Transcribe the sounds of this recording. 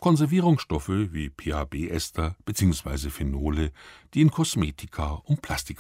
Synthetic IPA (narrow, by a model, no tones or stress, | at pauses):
kʰɔnzɛɐviːʁʊŋsʃtɔfəviːpʰeːabeːʔɛstʰɐb̥ət͡siːʊŋsv̥a̰ɪzəfenoːləd̥iːɪnkʰɔsmeːtʰɪkʰaʔʊnt̚pʰl̥astɪk